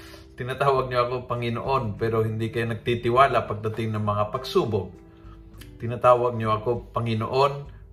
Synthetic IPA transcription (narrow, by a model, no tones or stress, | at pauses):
t̪ɪnat̪aːwɐɡ̚ɲoɐkopɐŋɪno̰ʔo̞npɛːɾoɦɪnd̪ikɐjanɐɡ̚t̪it̪ɪwaːlapɐɡ̚d̪ɐt̪ɪŋnɐŋmɐŋapɐɡsuːboɡ̚ | t̪ɪnat̪aːwaɡ̚ɲoɐko̞pɐŋɪno̰ʔon